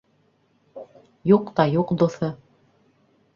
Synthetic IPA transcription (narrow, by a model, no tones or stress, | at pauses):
juqt̪ɑjuqd̪uθɤ